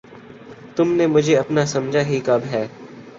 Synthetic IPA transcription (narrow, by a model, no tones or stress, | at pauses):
t̪ʊmnemʊd͡ʒʱeɐpnasɐmd͡ʒʱaɦikɐbɦɛː